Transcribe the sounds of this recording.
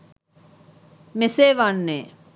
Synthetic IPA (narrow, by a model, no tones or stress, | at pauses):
meseːʋanːeː